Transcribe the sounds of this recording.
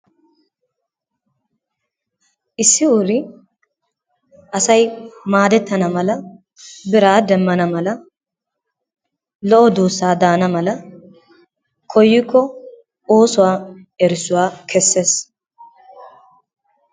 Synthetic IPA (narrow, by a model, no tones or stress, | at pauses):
ʔɪsːɪʊɾɪ | ʔɐsɐjmaːd̪ɛt̪ːɐnɐmɐlɐ | bɪɾaːd̪ɛmːɐnɐmɐlɐ | lɔʔɔd̪uːsːaːd̪aːnɐmɐlɐ | kʰɔjːɪkːɔ | oːsʊwaː | ɛɾɪsʊwaːkʰɛsːe̞ːs